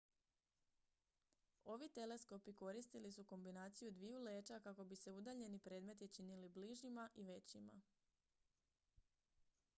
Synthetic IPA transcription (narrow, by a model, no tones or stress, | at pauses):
o̞ʋit̪e̞le̞sko̞piko̞ɾist̪ilisuko̞mbinaːt̪sijud̪ʋijule̞ːt͡ʃakako̞bise̞ud̪aʎe̞nipɾe̞ːd̪me̞t̪jit͡ʃinilibliʒimaʔiʋe̞t͡ɕima̰